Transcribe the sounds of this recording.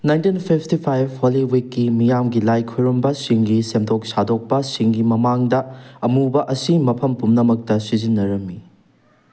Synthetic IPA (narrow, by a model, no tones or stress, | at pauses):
najntinpʰipʰtipʰajbholiwikːimijamɡilajkʰujɾumbɐsiŋɡisemdʰok̚sadok̚pɐsiŋɡimɐmaŋdɐɐmubɐʔɐsimɐpʰɐmpumnɐmɐk̚tɐsizinːɐɾɐmːi